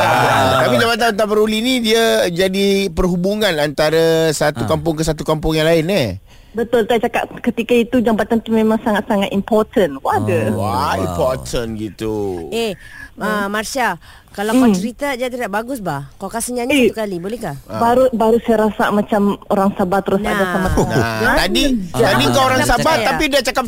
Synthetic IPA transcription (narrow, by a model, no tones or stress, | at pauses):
at̪apid͡ʒampat̪̬anant̪apəɾolinidiad͡ʒadipərɦubuŋãnant̪aɾasat̪ukampʊŋkəsat̪ukampʊŋjaŋlaɪnɛ | bət̪ʊlt̪aʔt͡ʃaka̰ʔkət̪ikait̪ud͡ʒampat̪ant̪umẽmaŋsaŋat̪̚saŋat̪impɔrt̪ənkadəwaimpɔt̪ʰənɡit̪ueəmarsia | kalakɔt͡ʃəɾit̪ad͡ʒat̪idaʔbaɡʊsbahkakasiɲaɲeukalibolɛhkabaɾubaɾusajaɾasa̰ʔmat͡ʃamoɾaŋsabat̪ːəɾʊsadasamasat̪adid͡ʒt̪adiŋkaoɾaŋsabat̪ːapidat͡ʃakap̚